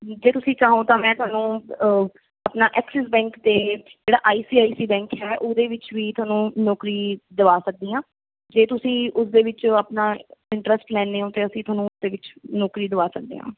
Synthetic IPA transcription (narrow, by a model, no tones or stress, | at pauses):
d͡ʒeːt̪ʊsĩːt͡ʃaːɦõːt̪ãːmɛ̃ːt̪ʊaːnũː | apnaːʔɛːksəsbɛ̃ːŋkt̪eːd͡ʒeːɽaːʔaːiːsiːaːiːsiːbɛ̃ːŋkʰɦɛːʔoːd̪eːʋɪt͡ʃʋiːt̪ʊaːnũːnɔːkɾiːd̪əʋaːsək̚d̪iːãː | d͡ʒeːt̪ʊsĩːʔʊsd̪eːʋɪt͡ʃaːpnaːɪɳʈɾəsʈlɛ̃ːneːõːt̪eːəsĩːt̪ʊaːnũːʊsd̪eːʋɪt͡ʃnɔːkɾiːd̪əʋaːsək̚d̪ḛːɦã̰ː